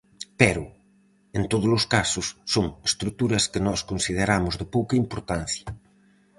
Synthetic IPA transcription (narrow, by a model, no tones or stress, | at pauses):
peɾʊ | ent̪oð̞ozloskasʊsːoŋest̪ɾuk̚t̪uɾɐskenɔskonsið̞eɾamʊzðepowkɐimpoɾt̪an̟θjɐ